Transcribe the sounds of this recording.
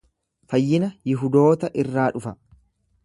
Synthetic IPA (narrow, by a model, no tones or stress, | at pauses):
fɐjːɪnɐjɪɦʊd̪o̞ːt̪ɐʔɪrːaːᶑʊfɐ